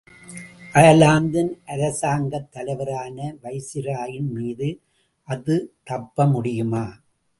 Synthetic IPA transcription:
ʔɐjɐlaːnd̪ɪnʔɐɾɐsaːŋɡɐt̪ːɐlɐʋɐɾaːnɐʋɐɪsɪɾaːjɪnmiːðɯ | ʔɐðɯt̪ɐpːɐmʊɽɪjɯmaː

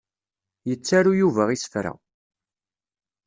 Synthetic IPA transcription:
jət͡sːaɾujuvæʁisə̥fɾæ̰

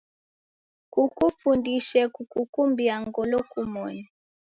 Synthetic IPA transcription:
kukufundiʃɛkukukumbiaŋɡɔlɔkumɔjɔ

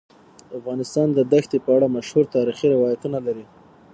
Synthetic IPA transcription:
afɣɑnɪst̪ɑnd̪əd̪axt̪epəaɽamaʃhuɾt̪ɑɾixiɾɪwɑjat̪unalaɾi

